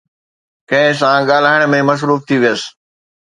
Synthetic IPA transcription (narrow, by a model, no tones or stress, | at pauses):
kɐ̃ɦɪ̃s̬ãɠaːl̤aːɪɽ̃ə̆mẽmɐs̬ɾuːft̪ʰiʋijəsɪ̥̆